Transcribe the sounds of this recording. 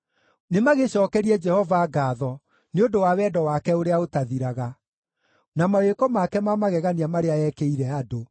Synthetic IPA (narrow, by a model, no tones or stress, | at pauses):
nemaɣeɕɔːkɛɾiɛd͡ʒɛhɔvaːɡaːðɔ | neodowawɛːdɔwakɛoɾeaotaðiɾaɣa | namawekɔmakɛmamaɣɛɣaniamaɾeaɛkeiɾɛado